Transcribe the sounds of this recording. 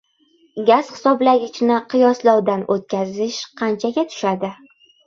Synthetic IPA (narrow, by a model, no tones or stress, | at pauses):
ɡʲaz̥χɪ̥sɒblaɡʲɪt͡ʃʰnɪqʰɨjɒslɒwd̪anʔot̪̚kʲʰazɪʃqʰɑnt͡ʃʰaɡʲat̪ʰʊ̥ʃad̪ɪ